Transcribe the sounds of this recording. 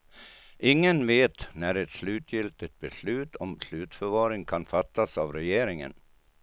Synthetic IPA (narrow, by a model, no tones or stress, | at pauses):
ʔɪŋːənveːt̪næɾɛt̪slʉ̟ːt̪ʰjɪlt̪ɪt̪̚bɛslʉ̟ːt̪ʰɔmslʉ̟ːt̪fœɾvɑːɾɪŋkʰanfat̪ːasavɾɛjeːɾɪŋə̰n